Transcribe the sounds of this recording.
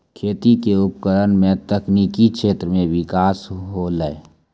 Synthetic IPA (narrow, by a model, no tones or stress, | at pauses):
kʰeːt̪ikeʊp̚kəɾənmẽt̪əkniːkikʰʃʰeːt̪ɾəmẽʋɪkaːsɦoləe